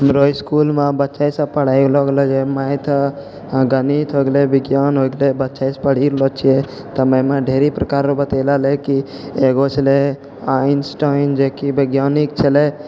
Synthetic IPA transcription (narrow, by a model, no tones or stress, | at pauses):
mɾoːskuːlmãbətːʃajsapəɽ̤aːiɡlɔɡlɔd͡ʒemajt̪ʰ | ɡənit̪ʰɦoɡlebɪɡjaːnɦoːɡlebətːʃʰajspəɽ̤iɡlot͡ʃʰie | t̪əmemãɖʱeːɾipɾəkaːɾɾobət̪elaleki | eːɡot͡ʃʰle | aːɪnsʈaɪnd͡ʒekibəɡjaːnik̚t͡ʃʰele